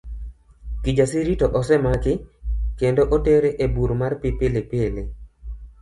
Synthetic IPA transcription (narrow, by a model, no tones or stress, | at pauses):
kid͡ʒasiɾitoʔɔsɛmakɪkendoʔoteɾeʔebuɾmarpipelepele